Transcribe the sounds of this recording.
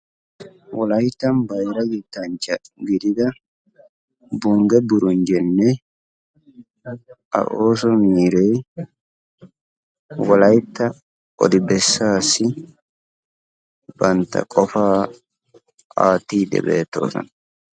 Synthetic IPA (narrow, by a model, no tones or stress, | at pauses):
wɔlɐjt̪ːɐnbɐjɾɐɡit̪ːɐnt͡ʃːɐɡɪd̪ɪd̪ɐ | bʊŋɡɛbʊɾʊnd͡ʒɛnːɛ | ʔɐ̰ʔoːsɔmiːɾeː | wɐlɐjt̪ːɐ | ʔɔ̰d̪ɪbɛsːaːsɪ | b̥ɐnt̪ɐ̰kʼɔfaː | aːt̪ːiːd̪ɛ̰beːt̪ːo̰ːsɐ̰n